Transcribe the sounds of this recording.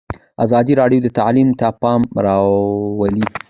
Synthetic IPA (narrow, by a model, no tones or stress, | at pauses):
a̰zɑd̪iɾɑɽjod̪ət̪aʕlimt̪apɑmɾɑwəli